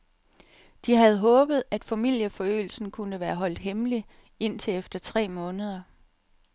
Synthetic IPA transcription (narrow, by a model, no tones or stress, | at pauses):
d̥iɦæð̞̩ˠɦɔ̽ːb̥ð̞̩ˠæd̥fæmil̰jəfɒ̽ø̰ːl̩sn̩kʰunəʋæːɐɦɒ̽l̰d̥ɦemli | e̝n̰t͡sʰe̝efd̥ɐt͡sʰʁɛ̰ːmɔ̽ːnəð̞ˠɐ